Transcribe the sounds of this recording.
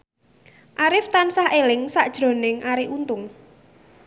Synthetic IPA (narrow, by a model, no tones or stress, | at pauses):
ʔaɾɪft̪ansahelɪŋsaʔd̥ʒ̥ɾo̤nɪŋaɾiʔunt̪ʊŋ